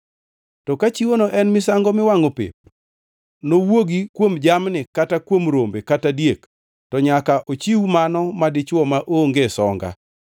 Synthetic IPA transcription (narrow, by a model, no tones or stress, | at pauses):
tɔkat͡ʃiwonoʔɛnmɪsaŋɡɔmɪwaŋopḛp̚ | nowoɡikwomd͡ʒamnɪkatakwomɾombekatadjek | tɔɲakaʔot͡ʃiwumanɔmadɪt͡ʃwɔmaʔoŋɡesɔŋɡa̰